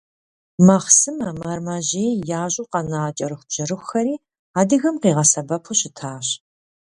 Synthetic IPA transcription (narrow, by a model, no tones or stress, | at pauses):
mɐχsɨmɐmɐrmɐʑeːjjaːʑʼʊqɐnaːt͡ʃʼɐɾɨxʷbʑ̥ɐɾɨxxɐɾiː | aːdɨɣɐmqiːʁɐsɐbɐpʰuɕɪtʰaːɕ